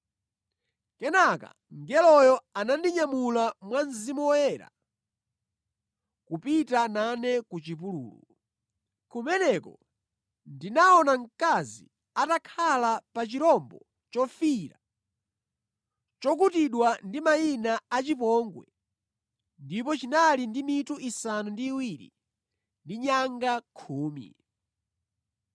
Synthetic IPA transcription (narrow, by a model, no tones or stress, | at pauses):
kɛnaka̰ | ŋɡɛlɔjɔanandiɲamulamwanzimuwɔjɛɾa̰ | kupitananɛkut͡ʃip̬ulṵːlṵ | kumɛnɛkɔ | ndinaɔnaŋkazi | atakʰalapat͡ʃiɾɔmbɔ | t͡ʃɔfiɾa̰ | t͡ʃɔkutiɗwandimainaat͡ʃipɔŋɡwɛ̰ | ndipɔt͡ʃinalindimituʔisanundiːwiɾḭ | ndiɲaŋɡakʰuːmḭ